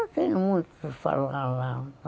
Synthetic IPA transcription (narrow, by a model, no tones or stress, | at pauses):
siːnmunt̪usfɑ̰lɑlːɑː